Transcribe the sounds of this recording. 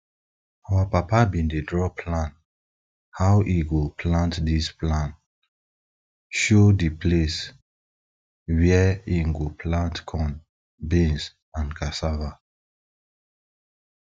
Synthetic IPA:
awapapabĩndedɹɔpʰlãn | hawʔiɡupʰlãntdisplãn | ʃodipʰles | wɛĩnɡupʰlãntkʰɔ̃n | bĩns | ãnkʰasava

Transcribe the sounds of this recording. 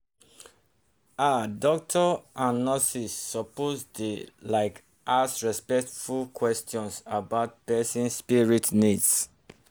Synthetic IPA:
adɔk̚tʰɔãnnɔsisːɔposdelaɪk | ʔasɹispɛktfulkʰwɛstʰjɔ̃nsabaʊt̚pɛsĩnsspiɹitnids

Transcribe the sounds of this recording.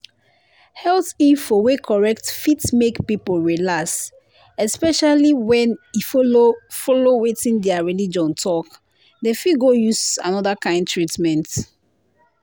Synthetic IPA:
hɛltifɔwekʰɔɹɛktfitmekpipolɹilas | ɛspɛʃaliwɛ̃nifofɔlowetĩndɛaɹilid͡ʒɔ̃ntʰɔk | defiɡojusã̰nɔdakãɪ̃ndtɹitmɛ̃nt

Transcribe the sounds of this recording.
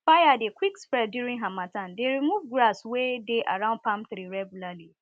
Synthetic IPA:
fajadekwikspɹɛdduɾĩnɦãmãtãndeɾimuvɡɾaswedeʔa̰ɹãʊ̃ndpãmθɾiɹɛɡjulali

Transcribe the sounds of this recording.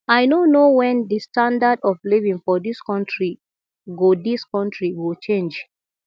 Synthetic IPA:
aɪnonowɛ̃nðistãndadɔvlivĩŋfɔðiskɔ̃ntɹi | ɡodiskɔ̃ntɹiwilˠt͡ʃẽnd͡ʒ

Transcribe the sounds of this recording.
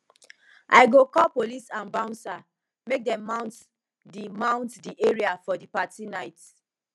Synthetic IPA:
ʔa̰ɪɡokɔlpolisãnbãʊ̃nsa | mek̚dɛ̃mːãʊ̃nt | dimãʊ̃ntdiʔeɹiafɔdipatinaɪt

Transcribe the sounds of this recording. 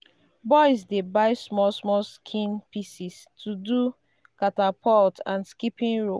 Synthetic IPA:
bɔɪsdebaɪsmɔsmɔskʰĩnpisis | tʰudu | katapʰɔltãnskipĩnɹo

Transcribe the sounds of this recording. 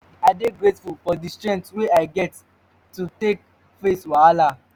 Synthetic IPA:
aɪdeɡɹetfulfɔdistɹɛ̃ntweaɪɡɛtː | utek̚ | feswaala

